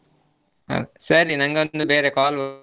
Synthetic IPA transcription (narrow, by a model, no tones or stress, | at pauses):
ɐ̰sɐɾinɐŋɡod̪ubeːɾeːkaːlʋ